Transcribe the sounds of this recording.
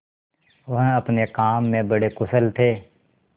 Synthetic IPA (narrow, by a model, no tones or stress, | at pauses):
ʋəɦəpnekaːmːẽbəɽekʊsəlt̪ʰeː